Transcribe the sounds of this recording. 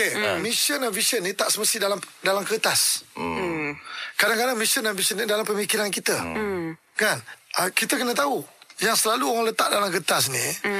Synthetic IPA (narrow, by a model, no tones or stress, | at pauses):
emisənavisiənːĩt̪aʔsəməst̪idalamdalamkət̪as | kadaŋkadaŋmisənavisənĩdalampəmikiɾankit̪ə | kanʔəkit̪əkənət̪aujaŋsəlaluoɣaŋlət̪aʔdalamkət̪as̬ni